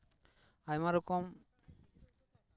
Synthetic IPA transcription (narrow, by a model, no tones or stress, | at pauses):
ajmaɾɔkɔm